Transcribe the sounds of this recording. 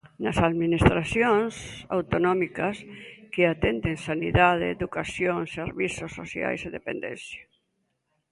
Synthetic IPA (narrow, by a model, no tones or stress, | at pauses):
nɐsaðminist̪ɾaθjoŋsa̰wt̪onɔmikɐskeat̪ɛnd̪eŋsaniðað̞eːðukasjoŋseaɾβisʊsːoθja̰jseðepḛnd̪ɛ̰nθja